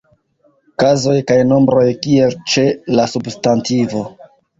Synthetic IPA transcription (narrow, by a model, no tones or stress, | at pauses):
kazo̞jkajno̞mbɾo̞jkie̞lt͡ʃe̞lasubstantivo̞